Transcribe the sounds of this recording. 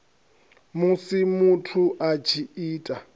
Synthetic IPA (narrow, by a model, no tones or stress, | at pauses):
musimutʰuʔat͡ʃʰiiːtʼa